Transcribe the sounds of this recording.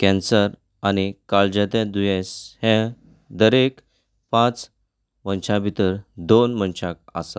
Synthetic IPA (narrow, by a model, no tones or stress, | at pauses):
kɛ̃nsəɾ | añikaɭd͡ʑət̪ẽd̪ujẽshɛ̃ | d̪əɾek | pãt͡s | mənɕãbʱit̪əɾd̪onmənɕaka̰sa